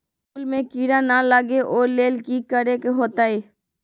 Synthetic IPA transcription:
uːlmẽkiːɾanalaːɡeʔoːɾleːlkikəɾekeɦoːt̪aːeː

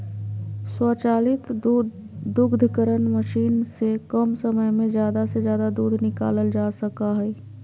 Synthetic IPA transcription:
swɔːt͡ʃaːlɪt̪ː | d̪ʊɡd̪ʱkəɾənməʃiːnsekəmsəməjmẽzjaːd̪asezjaːd̪ad̪uːd̪ʱnɪka̰ːləld͡ʒaːsɐkaɦɛː

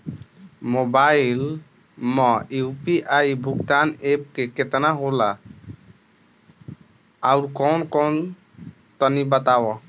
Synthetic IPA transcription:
mobail | mɔipiʔaibʱuɡt̪anep̚keket̪naɦola | uɾkɔnkɔn | t̪ənibət̪awɔ

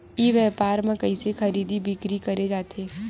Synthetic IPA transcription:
iʋɛːpaːɾmãkɐisexɐɾiːd̪ibʱɪkɾikɐɾed͡ʒaːt̪ʰeː

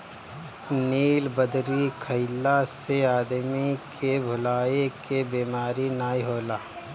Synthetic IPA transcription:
niːlbəd̪ɾikʰəɪlaseaːd̪mikʰebʱʊlaːekebiːmaːɾinaːiɦoːlaː

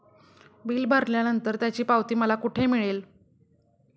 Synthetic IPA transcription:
biːlbʱəɾljanənt̪əɾt̪jat͡ɕiːpaʋt̪iːməlakuʈʰemiɭel

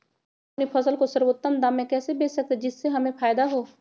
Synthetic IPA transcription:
ɐpnifʰɐsəlkosɐɾwoːt̪ːənd̪amːẽkɛːsebeːsək̚t̪ed͡ʒɪsːeɦɐmẽpaːjd̪aɦoː

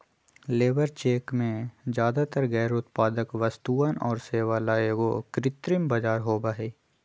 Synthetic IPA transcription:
leːʋəɾt͡ʃeːkmẽzjaːd̪at̪əɾɡɛːɾʊt̪paːd̪əkʋəst̪uːənʔɔːɾseːʋalaːeɡokɾɪt̪ɾɪmbad͡ʒaːɾɦoːbaːɦeː

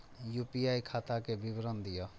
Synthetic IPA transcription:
jupiajkʰat̪akebibɾɔnd̪ijɔ

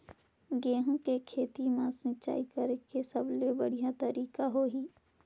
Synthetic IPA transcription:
ɡeːɦõkekʰeːt̪imãsnɪt͡ʃa̰ːikəɾkesɐblebəɽ̤ijat̪əɾiːkaɦoɦiː

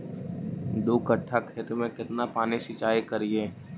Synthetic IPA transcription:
d̪oːkəʈʰːakʰeːt̪mẽkɪt̪napaːniʃit͡ʃaːikəɾieː

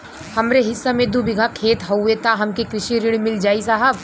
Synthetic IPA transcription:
hɐmɾeɦɪsːamẽd̪ubɪɡʱakʰeːt̪ɦɐet̪aɦɐmkekɾɪʃiɾɪɽ̃mɪld͡ʒaːisaɦəb

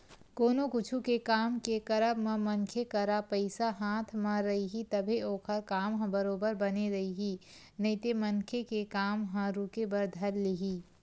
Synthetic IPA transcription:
koːnokʊt͡ʃʰukekaːmkekəɾəbmãmɐnkʰekɐɾapəɪsaɦaːt̪ʰmãɾɐɦiɦit̪ɐbʱioːkʰəɾkaːmɦə̃bəɾoːbəɾbɐneɾɐɦiɦi | nɐɪt̪emɐnkʰekekaːmɦə̃ɾukebɐɾd̪ʱɐɾliɦiː

